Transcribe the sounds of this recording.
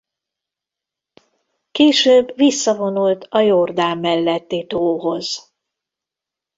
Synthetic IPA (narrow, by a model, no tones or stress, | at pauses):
keːʃøːbːvisːɒvo̞nult̪ɒjord̪aːmːɛlːɛt̪ːit̪oːɦo̞z̥